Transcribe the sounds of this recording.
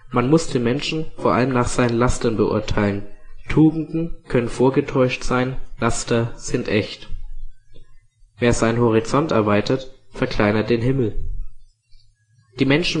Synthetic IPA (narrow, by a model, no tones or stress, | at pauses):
manmʊsd̥eːnmɛnʃn̩foːɐʔa̰ləmnaːχz̥aɪnənlastɐnbəʔʊ̰ɐtʰaɪləntʰuːɡŋ̩dn̩kʰœnənfoːɐɡətʰɔʏʃtz̥aɪnlastɐz̥ɪntʔɛçt | veːɐzaɪnhɔʁ̞it͡sɔntɛɐvaɪtɐtfɛɐkʰl̥aɪnɐt̚d̥eːnɦɪml̩ | d̥iːmɛnʃn̩